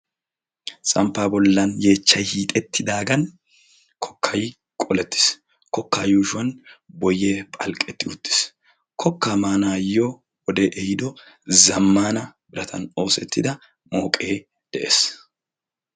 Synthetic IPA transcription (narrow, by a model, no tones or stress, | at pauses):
t͡sʼɐmpːaːbɔlːɐnje̞ːt͡ʃːɐjhiːt̪ʼɛt̪ʰːɪd̪aːɡɐn | kʰɔ̥kːɐj | kʼɔlɛt̪ːɪ̥s | kɔkːaːjuːʃʊwɐnbɔjːeːpʼɐlkʼɛt̪ːɪʊt̪ːɪ̥s | kʰɔkːaːmaːnaːjo | ɔd̪ɛʔɛjɪd̪ɔ | zɐmːaːnɐbɪɾɐt̪ʰɐ̰no̞ːsɛt̪ʰːɪd̪ɐ | mo̞ːkʼe̞ː | d̪̥ɛʔḛːs